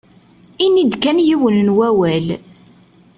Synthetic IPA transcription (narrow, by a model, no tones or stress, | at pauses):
inid̪kænjiwənnwæwæl